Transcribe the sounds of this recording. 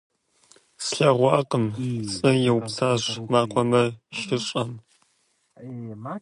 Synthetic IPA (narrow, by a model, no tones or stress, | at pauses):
sɬɐʁʷɑːqʼəmt͡sʼɨjɛwpsaːɕʷmaːqʷʰɔmɐʃɪɕʼɐm